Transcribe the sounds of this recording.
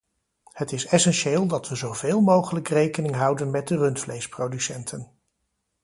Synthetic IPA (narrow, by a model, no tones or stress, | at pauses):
hətɪsɛsɛnʃeːlˠdɑtʋəzowveːlˠmowχələkrejkənɪŋɦʌwdənmɛt̚dərɵntflejsprowdysɛntʰən